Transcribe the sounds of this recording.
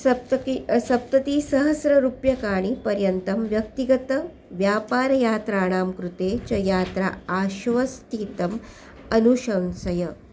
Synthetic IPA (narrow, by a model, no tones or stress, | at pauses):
sɐt̪sɐp̚t̪ɐt̪isɐɦɐsɾɐɾupjɐkaːɳipɐɾjɐnt̪ɐmʋjɐk̚t̪iɡɐt̪ɐ | ʋjaːpaːɾɐjaːt̪ɾaːɳaːmkɾut̪eːt͡ʃɐjaːt̪ɾa̰ːaːʃʋɐst̪iːt̪ɐm | ɐnuʃɐnsɐjɐ